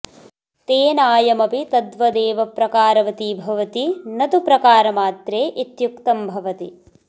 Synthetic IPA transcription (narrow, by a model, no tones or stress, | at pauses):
t̪eːnaːjɐmɐpit̪ɐd̪ʋɐd̪eːʋɐpɾɐkaːɾɐʋɐt̪ibʱɐʋɐt̪inɐt̪upɾɐkaːɾɐmaːt̪ɾeːʔit̪jukt̪ɐmbʱɐʋɐt̪i